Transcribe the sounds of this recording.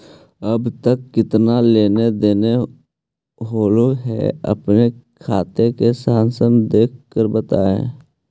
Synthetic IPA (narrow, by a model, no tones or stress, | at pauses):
əbt̪əkːɪt̪naleːned̪eːne | ɦoːloɦɛ̰ə̰pnekʰaːt̪ekesaːnsəmd̪eːkkːəɾbət̪aːḛ̃ː